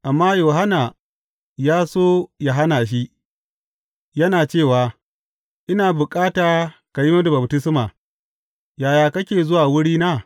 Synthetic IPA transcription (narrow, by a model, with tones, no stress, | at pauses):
ʔa˨mːaː˦joː˨ɦa˦naː˨ | jaː˦soː˦ja˨ɦa˦naː˨ʃ̬i˦ | jɐ˦naː˨t͡ʃeː˦˨waː˨ | ʔɪ˦naː˨bʊ˨kʼaː˦taː˨ka˨jɪ˦ma˦du˨bɐ˨btɪ˦smaː˨ | jaː˨jaː˨kɐ˦kʲeː˨zʊ˦waː˨wʊ˦ɽiː˦naː˦